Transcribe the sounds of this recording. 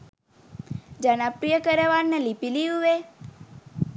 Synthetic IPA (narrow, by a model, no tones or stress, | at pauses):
d͡ʒanapɾijəkəɾeʋannelipiliuʋe